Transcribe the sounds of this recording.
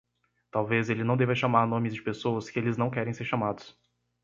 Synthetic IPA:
t̪awvezelɪnɐ̃w̃d̪evɐʃamaɾnõmɪzd͡ʒɪpesowɐskɪelɪznɐ̃w̃kɛɾẽj̃seɾʃamad̪ʊs

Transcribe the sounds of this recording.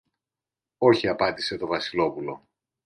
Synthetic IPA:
o̞çiɐpɐd̪ise̞t̪o̞vɐsilo̞pulo̞̰

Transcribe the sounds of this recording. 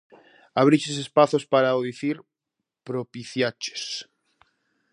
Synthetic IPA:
aβ̞ɾit͡ʃesespaθospaɾaoðiθiɾ | pɾopiθjat͡ʃe̥s

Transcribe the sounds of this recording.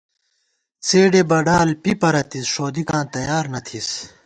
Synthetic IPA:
t͡sʰeːɖebɐɖaːlpipɐɾɐt̪isʂoːd̪ikãːt̪ɐjaːɾnɐt̪ʰis

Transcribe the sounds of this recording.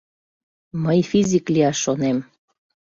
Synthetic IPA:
məjfizʲikliɑʃːonem

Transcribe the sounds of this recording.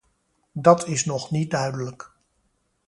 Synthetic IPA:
dɑtʰɪsnɔχnit̚dœɥdələk

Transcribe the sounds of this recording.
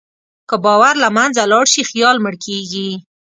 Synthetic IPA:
kəbɑwaɾlamanzalɑɽʃixjɑlməɽkʰeɡi

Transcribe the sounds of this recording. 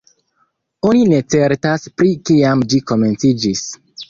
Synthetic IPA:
o̞nine̞t͡se̞ɾtaspɾikiamd͡ʒiko̞me̞nt͡sid͡ʒis

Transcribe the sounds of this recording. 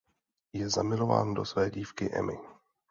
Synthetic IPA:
jɛzamɪlo̞va̰ːndo̞svɛːɟiːfkɪʔɛ̰mɪ̰

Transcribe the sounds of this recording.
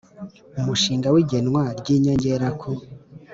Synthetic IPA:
umuʃiːŋɡawiɟenŋwaɾɟiɲaɲɟeɾakʰo

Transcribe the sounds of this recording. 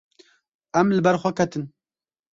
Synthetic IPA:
æmlɨbɛɾxʷɛkʰɛt̪ɨn

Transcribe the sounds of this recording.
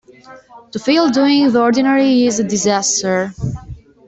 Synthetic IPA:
t̪ufilˠduɪ̃ŋðəɔɹdinəɹiɪzədɪzæstə˞

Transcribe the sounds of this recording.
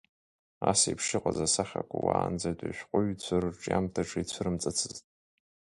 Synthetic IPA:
asaḭpʰʂɪqʷʼazasaχʲakʷawaːnd͡zadʷʼaʃʷᶣqʷʼʊɥt͡sʷʰɨrʈ͡ʂʼjamtʰaʈ͡ʂʰait͡ɕʷʰɨɾɨmt͡sʼɨt͡sʰɨztʼ

